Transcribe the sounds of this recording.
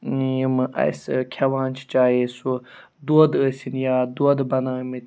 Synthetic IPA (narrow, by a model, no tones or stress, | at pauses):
jimɨʔɐ̰jsɨkʲʰɐʋãːnt͡ʃʰi̥t͡ʃaːjesu | d̪oːd̪əːsʲinjaːd̪oːd̪bɐnaːmɐ